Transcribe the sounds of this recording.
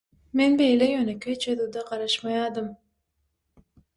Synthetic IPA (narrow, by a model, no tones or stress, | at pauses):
menbejlɛjønekʲʰøjt͡ʃʰed̪ud̪aqɑɾɑʃmɑjɑːd̪ɯm